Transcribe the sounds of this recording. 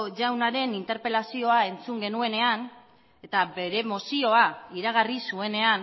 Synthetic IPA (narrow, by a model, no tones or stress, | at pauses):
ʝawnaɾe̞nint̪e̞ɾpe̞lasio̞ae̞nt͡suŋɡe̞nue̞ne̞an | e̞t̪abe̞ɾe̞mo̞sio̞aiɾaɣ̞arisue̞ne̞an